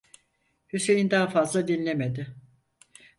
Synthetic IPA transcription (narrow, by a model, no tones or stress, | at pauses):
hysejind̪aɦafazlˠad̪inlʲemed̪ɪ